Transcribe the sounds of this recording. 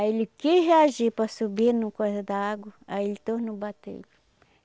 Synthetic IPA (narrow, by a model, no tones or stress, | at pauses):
aelɪkeɦeaʒipɾɐsubinʊkojzɐd̪aaɡwɐaelɪt̪ohnʊbat̪ḛl